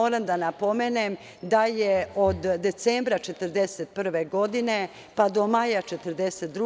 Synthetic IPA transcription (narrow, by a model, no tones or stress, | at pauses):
oːɾamd̪anapo̞menem | d̪ajeod̪d̪ːe̞t̪seːmbɾat͡ʃet̪r̩d̪e̞set̪̚pr̩ʋeɡo̞d̪ine̞ | pad̪o̞majat͡ʃet̪ərd̪eset̪̚d̪ɾu